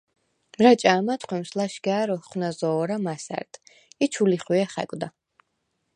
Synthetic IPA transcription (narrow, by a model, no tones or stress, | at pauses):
ɾat͡ʃʼaːmat̪ʰχwɛmslaʃɡaːɾɔχwnazɔːɾamasa̰ɾd̪̥ | it͡ʃʰuliχwiɛχɛ̰kʼd̪a